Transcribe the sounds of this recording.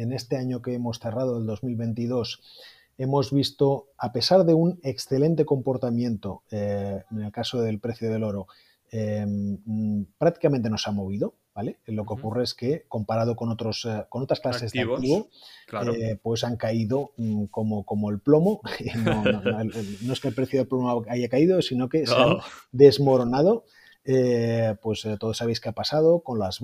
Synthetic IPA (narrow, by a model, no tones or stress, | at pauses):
e̞ne̞st̪e̞aɲo̞keemo̞sθerað̞oeld̪o̞zmilβe̞nt̪iðo̞s | e̞mo̞zβist̪o̞ape̞saɾðe̞une̞ksθe̞lẽ̞nt̪e̞ko̞mpo̞ɾt̪amjẽ̞nt̪o̞ene̞lkaso̞ðe̞lpɾe̞θjoð̞e̞lo̞ɾo | e | pɾak̚t̪ikamẽnt̪e̞no̞samo̞β̞iðo̞ | bale̞lo̞keo̞kureeske̞ko̞mpaɾað̞okonot̪ɾosko̞no̞t̪ɾasklasezd̪akt̪iβoepwe̞saŋkaiðo̞ko̞moko̞moelplo̞mo̞inononoeskelpɾeθjoðelplomoaʝakaiðosino̞ke̞sead̪e̞zmo̞ɾo̞nað̞o̞ | epwe̞st̪oðo̞saβ̞e̞jskeapasaðo̞ko̞nlaz